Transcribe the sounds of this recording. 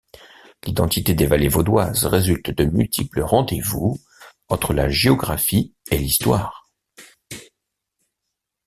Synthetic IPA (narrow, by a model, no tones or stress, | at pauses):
lid̪ɑ̃t̪it̪ed̪evalevod̪wazʁezylt̪d̪əmylt̪ʰipləʁɑ̃d̪evu | ɑ̃t̪χəla̰ʒeɔɡʁafielist̪waːʁ